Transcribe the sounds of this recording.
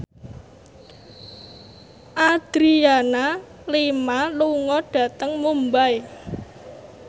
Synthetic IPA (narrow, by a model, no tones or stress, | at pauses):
ʔad̪̥ɾiana | lemaluŋɔɖ̥ä̤t̪əŋmumbaj